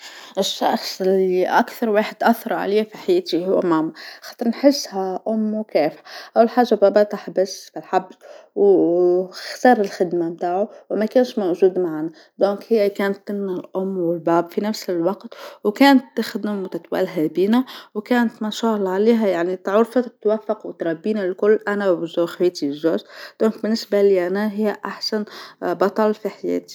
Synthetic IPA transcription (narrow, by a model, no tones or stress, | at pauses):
ʔɪʃːɑ̰xsˤɪlːiʔa̰kθɑɾˤwaːħɪd̪ʔaθːɑɾˤʕa̰leːfiħajæːt̪ihʊwːmaːmaxɑːt̪ˤɨɾˤnħɪsːhaʔʊmːwkæːfʔawːɪlħaːʒabæːbæt̪ˤaħbasfilħabzw | xt̪ɑːɾˤɪlxɪd̪mamt̪aːʕuwmækæːnʃmawʒuːd̪maʕna | d̪ɔ̃ːŋkhɪjːækæːnt̪ːɪnːɪlʔʊmːwɪlbæːbfinæfsɪlwɑqt̪wkæːnət̪ːɪxd̪ɪmwt̪ɪt̪wæ̰lɦæbiːnæwkæːnət̪mæʃɑːɣlʕaliːɦæjaʕnit̪ʕʊɾˤfat̪wæfːɑqwɪt̪ɾˤɑbːiːnalkʊlːʔænæbzuːxiːt̪izoːzd̪̥ɔ̃ːŋk̚bɪnːɪsbaliʔænæɦɪjːʔaħsænbɑt̪ˤɑlfiħajɛ̰ːt̪i̥